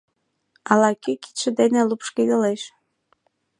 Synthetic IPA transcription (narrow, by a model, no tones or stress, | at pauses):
ɑlɑkyki̥t̪ʃə̆d̪enĕlupʃkid̪əleʃ